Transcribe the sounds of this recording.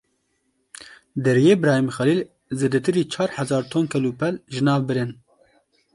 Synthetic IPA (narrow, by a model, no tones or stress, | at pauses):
d̪ɛɾjeːbɾɑːhimxɛliːl | zeːd̪ɛt̪ɨɾiːt͡ʃʰɑːɾħɛzɑːɾt̪ʰoːnkʰɛluːpɛlʒɨnɑːvbɨɾɨn